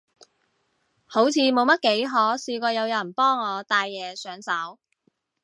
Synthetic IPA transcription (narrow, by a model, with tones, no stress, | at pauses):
ho˨˥wt͡sʰiː˨˧mo˨˧wmɐ˥t̚ke˨˥jɦɔː˨˥siː˧kʷɔː˧jɐ˨˧wjɐ˨˩npɔː˥ŋːɔː˨˧t̪aː˧jːɛː˨˧sœː˨˥ŋsɐ˨˥w